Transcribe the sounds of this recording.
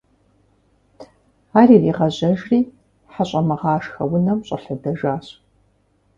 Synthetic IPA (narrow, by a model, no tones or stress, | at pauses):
aːriːriːʁɐʑɐʒriː | ħaɕʼɐmɐʁɑːʂxɐ̰wʊnɐmɕʼɐ̰ɬɨdɐʒaːɕ